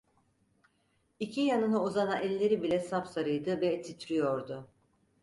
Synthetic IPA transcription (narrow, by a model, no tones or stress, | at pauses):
icʰijanɯnauzanaʔɛlʲːe̞ɾibilʲɛsapsaɾɯjd̪ɯvɛt̪ʰit̪ʰɾijo̞ɾd̪ʊ